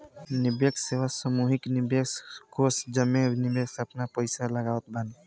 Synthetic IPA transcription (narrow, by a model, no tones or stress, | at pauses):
nɪbjəkseʋasəmuɦɪknɪbjəkskosd͡ʒəmːenɪbjeksəpnapəɪsaləɡaːət̪bən